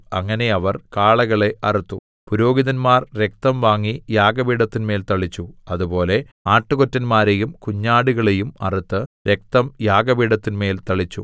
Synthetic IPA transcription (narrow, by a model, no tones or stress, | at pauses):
ɐŋːɐne̞ɐʋɐrkaːɭɐɣɐɭe̞ʔɐrit̪ːu | puɾo̞ːɡiðɐnmaːrɾe̞k̚t̪ɐmʋaːŋːijaːɡɐbiːɽɐt̪ːinme̞ːlt̪ɐɭit͡ɕːuɐðubo̞ːle̞ | aːʈːɨɣotːɐnmaːɾejumkuɲːaːɽuɣɐɭejumɐrit̪ːɨɾe̞k̚t̪ɐmjaːɡɐbiːɽɐt̪ːinme̞ːlt̪ɐɭit͡ɕːṵ